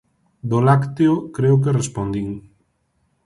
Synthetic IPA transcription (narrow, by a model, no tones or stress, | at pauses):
d̪olakt̪eokɾewk̬erespond̪iŋ